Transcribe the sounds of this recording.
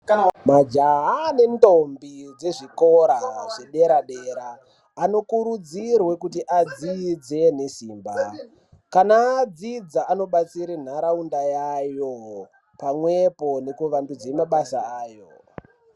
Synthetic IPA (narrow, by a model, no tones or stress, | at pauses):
mad͡ʒaɦane̞ntombid͡ze̞ʐiko̞ɾaʐ̥e̞ɗe̞ɾaɗeːɾaː | no̞kuɾud͡zirwe̞kutiʔad͡zid͡ze̞nesiːmba | kanaːd͡zid͡zaːno̞ɓat͡siɾin̤aɾaundajajo | pamwe̞po̞ne̞kuʋambid͡zemaɓasaaːjo